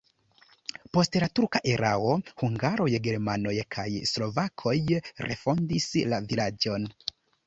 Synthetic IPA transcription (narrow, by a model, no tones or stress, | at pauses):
po̞stlatuɾkaʔeɾʔao̞huŋɡaɾo̞jɡe̞ɾmano̞jkʰajslo̞vakʰo̞jrʔe̞̰fo̞ndislavilad͡ʒo̞n